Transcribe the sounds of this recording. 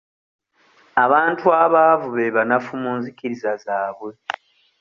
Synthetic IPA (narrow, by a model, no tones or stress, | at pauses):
aβaːntʰuaβavuβe̞βanafumuːnzikiɾizazaːβwe̞